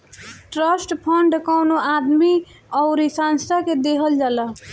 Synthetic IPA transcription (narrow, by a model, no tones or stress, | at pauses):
ʈɾəsʈpʰəɳɖkɔʊnoad̪mi | ɔʊɾisanst̪aked̪eɦəld͡ʒalə